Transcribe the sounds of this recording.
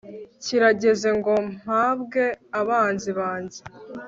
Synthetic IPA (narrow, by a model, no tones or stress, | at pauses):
ciɾaɟe̞ze̞ŋɡo̞m̥haːbɡe̞aβaːnziβaːnzi̥